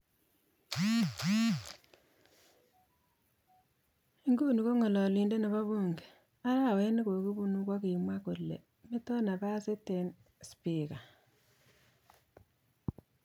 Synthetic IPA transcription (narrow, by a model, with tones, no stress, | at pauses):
ŋɡu˦nu˨ko˦ŋɔ˨lɔ˨li˨nde˦ne˨βa˦βu˦ŋɡe̥˨ | a˦ɾa˦˨we˦ni˦ko˨ki˦bu˦nu˦kwa˦ki˨mwa˦ko˨lːḛ˨ | me˦tɔ˦na˨pa˦se˦te˨n | spi˨ka˨